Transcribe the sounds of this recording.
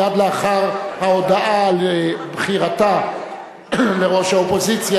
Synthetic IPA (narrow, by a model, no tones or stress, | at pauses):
ad̪leaχaʁhao̞daʔalbχiʁat̪a | le̞ʁo̞ʃhaopo̞zit͡sja